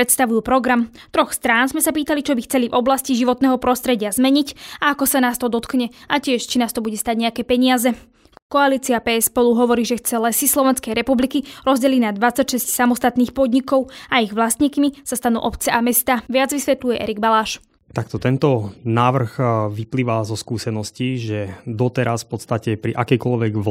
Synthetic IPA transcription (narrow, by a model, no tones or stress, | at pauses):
pɾɛt̪st̪aʋujuːpɾɔɡɾam | t̪ɾɔxst̪ɾaːnzmɛsapiːt̪alit͡ʃɔbixt͡sɛlivɔblasciʒiʋɔt̪nɛːɦɔpɾɔst̪ɾɛɟɪazmɛɲicaakɔsanaːst̪ɔd̪ɔt̪kɲɛacɪɛʃt͡ʃinaːst̪ɔbuɟɛst̪aːɟɲɛakɛːpɛɲɪazɛ | kɔaliːt͡siapɛːɛspɔluɦɔʋɔɾiːʒɛxt͡sɛlɛsislˠɔʋɛnskɛjɾɛpublikiɾɔzɟɛlinad̪ʋat͡sacʃɛscsamɔst̪at̪niːxpɔd̪ɲikɔʊaiɣʋlast̪ɲikmisast̪anṵːʔɔpt͡sɛʔamɛst̪aːʋɪad͡zʋisʋɛt̪lujɛʔɛ̰ɾiɡbalaːʃ | t̪akt̪ɔt̪ɛnt̪ɔnaːʋr̩xʋipliːʋazɔskuːsɛnɔsciʒɛd̪ɔt̪ɛɾasfpɔt̪st̪acɛpɾiʔakɛjkɔlʋɛɡ